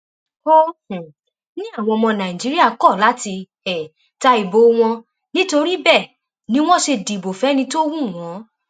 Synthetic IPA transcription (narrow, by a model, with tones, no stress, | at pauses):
o˦hũ˨ | nĩ˦a˦˨w̃ɔ̃˧ɔ˧mɔ̃˧nã˨ĩ˨d͡ʒi˨˦ɾi˦a˦˨kɔ˦˨la˨˦ti˧ | ɛ˨ | ta˧i˨bo˨˦w̃ɔ̃˧ | nĩ˦to˧ɾi˦bɛ˦˨ | nĩ˨˦w̃ɔ̃˦ʃe˧di˨bo˨fɛ˨˦nĩ˧˦to˦wũ˦˨w̃ɔ̃˨˦